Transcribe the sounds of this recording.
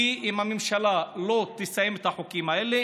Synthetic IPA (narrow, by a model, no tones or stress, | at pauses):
iʔimhamemʃalalo̞t̪isajemet̪haħukimaele